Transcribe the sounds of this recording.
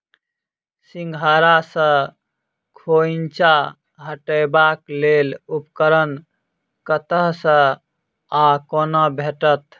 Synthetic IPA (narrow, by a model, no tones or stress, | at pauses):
siŋɡʱaɾasə̃ | kʰoint͡ʃa | ɦəʈəɪbaklelupkəɾən | kət̪əɦsə̃ | akonəbʱeʈət̪